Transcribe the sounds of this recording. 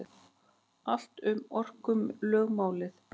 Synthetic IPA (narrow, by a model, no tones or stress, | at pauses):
al̥t̪ʏmɔr̥kʏmlœːɣmaːwlɪθ